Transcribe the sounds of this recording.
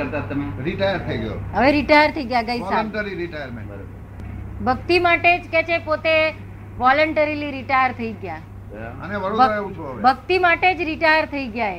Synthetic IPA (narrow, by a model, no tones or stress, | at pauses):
əɾt̪at̪ːəmeɾiʈajəɾt̪ʰəiɡəjo̰ɦəʋeɾiʈajəɾt̪ʰəiɡjaɡəisaəɳʈəɾiɾiʈajəɾmḛ̃ɳbəɾbə | bʱəɡ̚t̪imaʈed͡ʒket͡ʃʰepot̪e | ʋɔləɳʈəɾiliɾiʈajəɾt̪ʰəiɡja | ə̰neʋəɽodeʋũt͡ʃʰuəʋbʱəɡ̚t̪imaʈed͡ʒɾiʈajəɾt̪ʰəiɡjae